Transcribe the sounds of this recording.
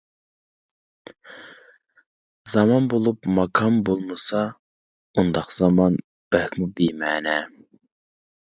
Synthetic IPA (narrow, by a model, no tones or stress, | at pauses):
zɑmɑnbolˠupmɑkʰɑmbolˠmɨsɑ | und̪ɑqz̥ɑmɑn | b̥ɛkʲmubijmɛːnɛ